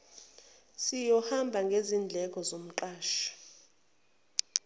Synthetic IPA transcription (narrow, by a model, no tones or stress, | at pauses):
sijɔhambʱaŋɡʱezind͡ɮʱɛk̬ʼɔzom̩ǁaːʃḁ